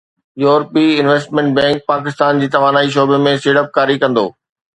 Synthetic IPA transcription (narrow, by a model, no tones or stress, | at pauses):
juːɾpiɪnʋeːsʈmɛ̃ɳʈ̚bɛ̃ːŋk̚paːk̬ɪst̪aːnd͡ʑiːt̪ɐʋaːnaːiʃ̬oːbemẽseːɽəp̚kaːɾikɐ̃nd̪o̰ː